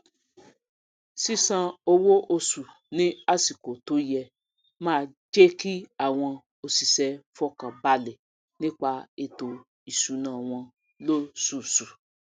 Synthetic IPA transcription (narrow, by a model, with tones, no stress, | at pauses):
si˦sã˧o˧wo˦ʔo˧su˨ | nĩ˦a˦˨si˨ko˨to˨˦jɛ˧ | mãː˦˧d͡ʒe˦ki˦a˦˨w̃ɔ̃˧ | o˨si˨sɛ˦fɔ˦kã˨ba˧lɛ˨ | nĩ˦k͡pa˧e˧to˨ | i˨su˨˦nãː˨w̃ɔ̃˧ | lo˦su˦˨su˨